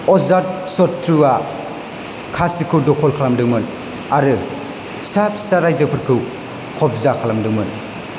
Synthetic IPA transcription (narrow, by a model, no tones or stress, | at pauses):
ɔzat̚sɔtʰːɾuwa | kʰasikʰɯwdɔkʰɔlkʰalamdɯŋmɯn | aɾɯ | sap̚ʰsaɾajzɯpʰɯɾkʰɯw | kʰɔp̚zakʰalamdɯŋmɯn